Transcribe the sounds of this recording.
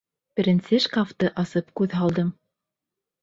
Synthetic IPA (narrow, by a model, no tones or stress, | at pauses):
p̆ɾʲɘ̆nsɘʃkaft̪ɤʔɑsɤp̚kʉðɦɑlˠd̪ɤm